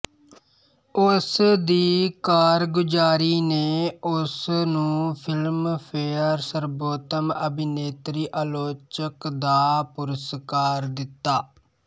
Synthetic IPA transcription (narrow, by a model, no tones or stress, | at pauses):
ʊsd̪iːkaːɾɡʊd͡ʒaːɾiːneːʊsnũːpʰɪlmpʰeːəɾsəɾboːt̪əməbɪneːt̪ɾiːʔaːloːt͡ʃəkd̪aːpʊɾəskaːɾd̪ɪt̪ːaː